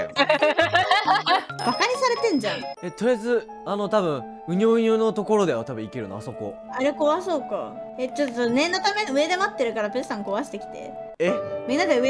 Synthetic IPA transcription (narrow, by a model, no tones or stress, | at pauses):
b̥akaɲ̟isaɾe̞t̪ẽ̞ɲd͡ʑãŋe̞t̪oɾjazɨ | ano̞t̪abɯ̟̃ɴ̃ | ɯ̟ɲ̟ʲoːɯ̟ɲʲoːnot̪o̞ko̞ɾo̞d̪e̞at̪abɯ̟̃ikʲeɾɯ̟no̰a̰so̞ko̰ | aɾeko̞βaso̞ːka̰et͡ɕot̪ːosnẽ̞nːo̞t̪ame̞noɯ̟e̞d̪e̞mat̪ːe̞ɾɯ̟kaɾape̥sãŋko̞βaɕi̥t̪ekʲi̥t̪e̞̰ | emʲĩnːasaɯe